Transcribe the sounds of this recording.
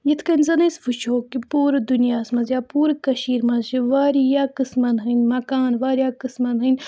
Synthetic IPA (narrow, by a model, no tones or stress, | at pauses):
jit̪ʰkɐnʲzɐnɐsfut͡ʃʰoːkipuːɾɨd̪unijaːsmɐzjaːpuːɾɨkɐʃiːɾmɐʃiʋaːɾijaːkɨsmɐnɦɨnmɐkaːnʋaːɾjaːkɨsmɐnɦɨnʲ